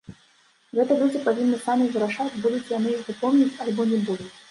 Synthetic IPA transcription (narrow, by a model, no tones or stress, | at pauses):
ɣɛt̪ɐlʲud͡zʲipavʲinːɨsamʲizɾaʂat͡sʲbud̪ʊt͡sʲjanɨixvɨpɔwmnʲit͡sʲɐalʲbɔnʲɛbud̪ʊt͡sʲ